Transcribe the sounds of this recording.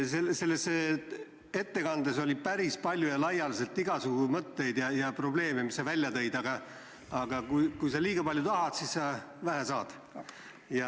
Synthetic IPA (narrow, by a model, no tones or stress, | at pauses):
selse̞lːese | e̞t̪ːe̞kɑnd̪eso̞lʲipæɾispɑlʲjujɑlɑjːɑlise̞lt̪ːˑiɡɑsuɡumɤt̪ːe̞jd̪jɑjɑpro̞ble̞ːme̞misːɑvælʲːjɑt̪ɤ̞jd̪ɑɡɑ | ɑɡ̥ɑkujkujsɑliːɡ̥ɑpɑlʲjut̪ɑɦɑd̪̥sissɑ | væɦæsɑːd̪̥ | jɑ